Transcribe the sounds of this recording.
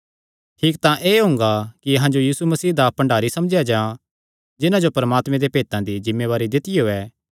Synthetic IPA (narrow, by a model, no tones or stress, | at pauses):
ʈʰiːkt̪ãʔeːɦʊ̃ːŋ̆ɡakiɐɦãd͡ʒojiːsumɐsiːɦd̪apɐ̃ɳɖaːɾisɐmd͡ʒjad͡ʒaã | d͡ʒɪnãd͡ʒopɐɾəmaːt̪mẽd̪epeːt̪ãd̪id͡ʒɪmːeβaːɾid̪ɪt̪ɪjoːɛː